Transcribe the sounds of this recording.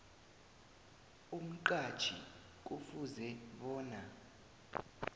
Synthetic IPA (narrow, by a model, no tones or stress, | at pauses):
um̩ǃḁt͡ʃʰʼḭ | k̬ʼufuzɛɓɔːna